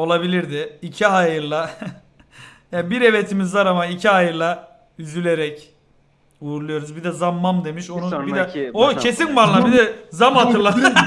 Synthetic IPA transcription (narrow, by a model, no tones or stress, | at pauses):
o̞lˠabilʲiɾd̪ɪicʰiɦajɯɾlˠa | jaːbiɾe̞vet̪ʰimizvaɾamaicʰiɦajɯɾlˠa | yzylʲeɾɛc | vuːɾulˠujo̞ɾuzbid̪ɛzamːamd̪e̞miʃo̞nubid̪ɛoe̞sinbanlˠabid̪ɛzamat̪ʰɯlˠa